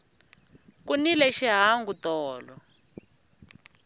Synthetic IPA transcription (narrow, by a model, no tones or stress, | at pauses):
kunilɛʃiɦaŋɡutɔːlɔ